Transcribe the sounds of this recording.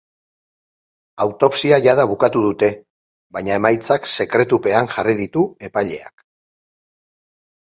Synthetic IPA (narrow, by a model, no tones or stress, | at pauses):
awt̪o̞psiaʝað̞aβukat̪uðut̪e̞ | βaɲae̞majt͡sakse̞kɾe̞t̪upe̞aŋʝarið̞it̪ue̞paʎe̞̰a̰k